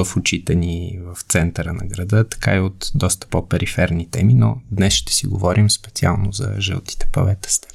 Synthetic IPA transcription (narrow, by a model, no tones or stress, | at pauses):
ɐfʊt͡ʃit̪ɛnivɐft̪sɛnt̪əɾənɐ̰ɡɾɐd̪ət̪ɐ̥ka̰iot̪d̪ɔst̪ə̥popɛɾifɛɾnit̪ɛminod̪nɛsʃt̪ɛ̥siɡovɔɾʔimspɛt̪sia̰lˠnozɐ̰ʒə̰lˠt̪i̥t̪ɛ̥pɐ̰vɛt̪ə̥st̪ɛ̥